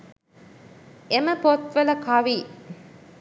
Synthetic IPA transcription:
eməpot̪ʋɐlɐkʰɐʋiː

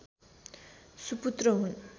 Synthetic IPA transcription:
suput̪rʌɦun

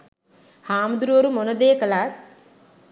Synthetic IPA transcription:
haːmud̪uɾuʋoɾumonəd̪eːkəlat̪̚

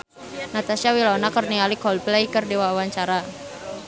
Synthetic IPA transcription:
nat̪asiawilanakərnialikɔlplejkərdiwawaɲt͡ʃaɾa

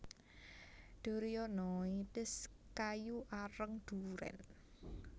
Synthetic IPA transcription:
d̪̥o̤ɾijɔnɔit̪ɪskajuʔaɾəŋd̪̥ṳɾɛ̰n

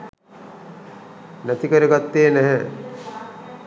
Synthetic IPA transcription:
næt̪ikəɾəɡat̪ːeːnæɦɛ

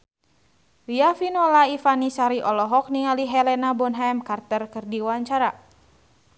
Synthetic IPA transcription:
wiafinɔlaifanisaɾiʔɔlɔɦɔk̚niŋaliɦɛlɛnabɔnɦamkart̪ərkɨrdiwaɲt͡ʃaɾa

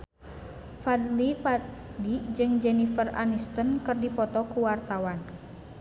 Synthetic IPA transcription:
fad̪lipadid͡ʒɨŋd͡ʒɛnifəra̰nist̪ənkɨrdipɔt̪ɔkuwart̪awan

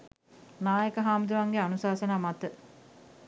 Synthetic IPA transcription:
naːjəkəɦaːməd̪uʋaŋɡeanusaːsənaːmat̪ə

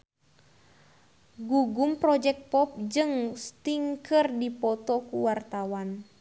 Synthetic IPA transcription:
ɡuɡumpɾɔd͡ʒɛk̚t̪̚pɔp̚d͡ʒɨŋst̪iŋkərdipɔt̪ɔkuwart̪awan

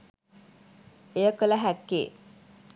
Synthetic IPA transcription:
ejəkələɦækːḛː

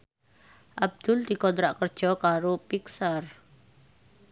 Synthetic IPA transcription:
ʔab̚d̪̥ʊ̤ld̪̥i̤kɔnt̪ɾaʔkərd̥ʒ̥ɔ̤kaɾopiksar

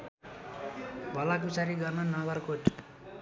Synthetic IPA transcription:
bʱʌlakut͡saɾiɡʌrnʌnʌɡʌrkoʈ

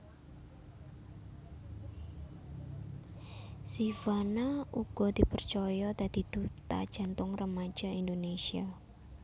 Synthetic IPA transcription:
sifanauɡ̥ɔd̪̥ipərt͡ʃɔjɔt̪ad̪̥i̤d̪̥ut̪a̰d̥ʒ̥a̤nt̪ʊŋrəmḁd͡ʒ̥aind̪onesia

